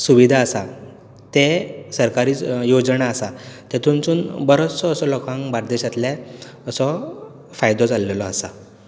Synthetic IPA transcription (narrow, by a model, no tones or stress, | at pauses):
suʋid̪ʱaəsa | t̪esəɾkaɾiːjod͡zɳaəsat̪et̪ʰunt͡suːnbəɾot͡sɔəsɔlɔkãŋkbaɾd̪eɕat̪lɛ̃ | əsɔ | fajd̪ɔd͡zalːelɔasa